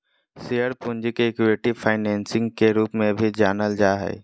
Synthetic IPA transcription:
siəɾpʊ̃ɲd͡ʑkeɪkjueːʈifʰaːɪnɛ̃ːnsɪ̃ŋɡkeɾuːpmẽbʱid͡ʒaːnəld͡ʒaːɦɛ̰ː

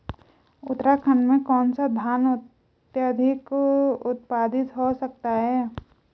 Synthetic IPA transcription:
ʊ̰t̪ɾakʰənmẽkɔːnsad̪ʱaːnʊ | t̪jad̪ʱɪkʊt̪̚paːd̪ɪt̪ɦosək̚t̪aɦɛː

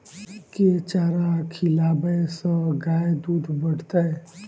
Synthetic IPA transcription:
ket͡ʃaːɾakʰilaːbəsə̃ɡaːed̪uːd̪ʱbəɽ̤t̪ae

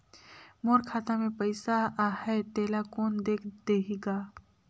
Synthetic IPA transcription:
moːɾkʰaːt̪amẽpəɪsaahɛt̪eːlakoːnd̪eːkʰd̪eːɦiɡaː

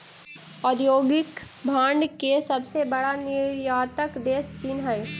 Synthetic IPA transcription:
ɔːd̪joːɡɪk | bʱãːɳɖkesɐbsebɐɽanɪɾjaːt̪əkd̪eːst͡ʃiːnɦəe

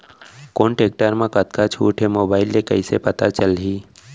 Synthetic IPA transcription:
koɳʈeːk̚ʈəɾmãkət̪kat͡ʃʰuːʈʰɦemoːbaːɪlːekəisepət̪at͡ʃəlɦiː

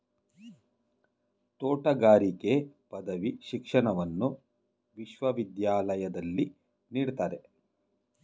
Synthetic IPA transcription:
t̪oːʈɐɡaːɾike̞pɐd̪ɐʋiʃikʂɐɳɐʋɐnːu | ʋiʃʋɐʋid̪jaːlɐjɐd̪ɐlːi | niːɽt̪aːɾe

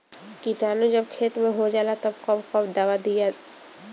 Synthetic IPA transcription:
kiʈaːnod͡ʒɐbkʰeːt̪mẽɦod͡ʒaːlat̪ɐbkɔbkɔbd̪aːʋad̪ija

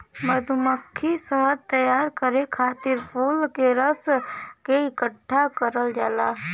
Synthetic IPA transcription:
məd̪ʱʊməkʰːisəɦəɾt̪əjaːɾkəɾekʰaːt̪ɪɾpʰuːlkeɾəskeɪkəʈʰːakəɾəld͡ʒaːlaː

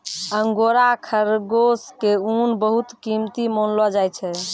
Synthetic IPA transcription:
əŋɡoɾakʰəɾɡoskeunbəɦut̪kimt̪imonlɔd͡ʒajt͡ʃʰɛ

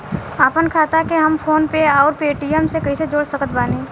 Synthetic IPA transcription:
aːpənkʰaːt̪akeɦɐmfʰoːnpeɔːɾpeːʈiɛmsekɐised͡ʒoːɽsəkət̪baːnẽː

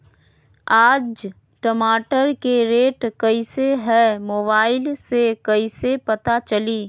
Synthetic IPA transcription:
aːd͡ʒ | ʈəmaːʈəɾkeɾeːʈkəiseɦɛmoːbaːɪlsekɐisepɐt̪at͡ʃəliː

